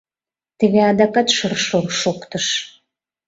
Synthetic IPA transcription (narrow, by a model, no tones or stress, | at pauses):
t̪əβeɑd̪ɑkɑt̪ʃərʃoʃokt̪əʃ